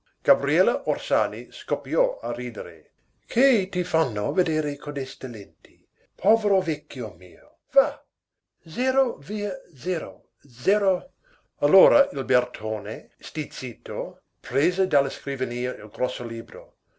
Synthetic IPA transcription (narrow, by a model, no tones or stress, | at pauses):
ɡ̥abɾiɛlaʔorsaːniskopjɔaɾiːd̪eɾḛ | kʰet̪ifanːoved̪eːɾekʰod̪ɛst̪elent̪ʰi̥ | pʰɔːveɾovɛkːjomḭːo | va | zɛɾoviːəzɛːɾo | zɛːɾo | alːoːɾailbert̪ʰoːne | st̪it̪t͡siːt̪o | pɾeːzed̪alːaskɾivaniːəilɡɾɔsːoliːbɾo̰